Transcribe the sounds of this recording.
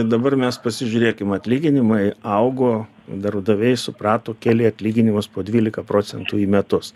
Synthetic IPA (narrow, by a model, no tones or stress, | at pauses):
d̪ɐbɐrmʲɛspɐsʲɪʒʲʊːɾʲeːkʲɪmɐt̪ʲlʲiːɡʲɪnʲɪmɐɪɐʊɡoː | d̪ɐɾbd̪ɐʋʲɛɪsʊpɾɑːt̪oːkʲæːlʲɪɐt̪ʲlʲiːɡʲɪnʲɪmʊspoːd̪ʲʋʲiːlʲɪkɐpɾoːt͡ssʲɛnt̪uːiːmʲɛt̪ʊs